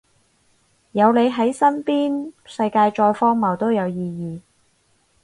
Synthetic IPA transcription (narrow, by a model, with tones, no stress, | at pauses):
jɐ˨˧wle˨˧jɦɐ˨˥jsɐ˥npiː˥nsɐ˧jkaː˧jt͡ʃɔː˧jfɔː˥ŋmɐ˨˩wt̪o˥wjɐ˨˧wjiː˧jiː˧